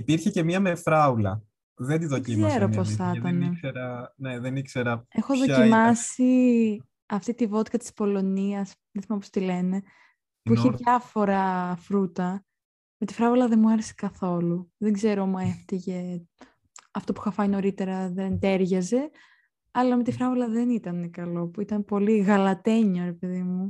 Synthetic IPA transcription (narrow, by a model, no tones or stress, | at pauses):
ipiɾçece̞miɐmefɾɐulɐ̰ | ðend̪iðocizeɾoposθɐt̪ɐneseɾɐneðenikseɾɐexo̞ðoimɐsi | ɐft̪it̪ivo̞t̪kɐt̪i̥spo̞lo̞niɐs | ðeθimɐpost̪ile̞ne̞ | puiçeðʝɐfo̞ɾɐfɾut̪ɐ | me̞t̪ifɾɐvolɐðenmuɐɾese̥kɐθo̞luðeŋɡze̞ɾoomueft̪iʝe̞ | ɐft̪o̞pu̥xɐfɐjno̞ɾit̪e̞ɾɐðent̪e̞ɾʝɐze̞ | ɐlɐme̞t̪ifɾɐvolɐðe̞nit̪ɐnekɐlo̞puit̪ɐnpo̞liɣɐlɐt̪e̞ɲoɾe̞pe̞ðimu